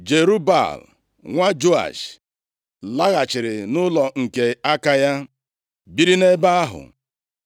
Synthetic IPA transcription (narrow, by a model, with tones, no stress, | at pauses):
d͡ʒe˨ɾu˦ba̰˦˨l | ŋʷa˦d͡ʒo˦a̰˨ʃ | la˦ɣa˨t͡ʃɪ˨ɾɪ˨nʊ˦lɔ˨ŋ̩˨ke˨a˦ka˦ja˦ | bi˦ɾi˦ne˦ba˦a˦ɦʊ̰˨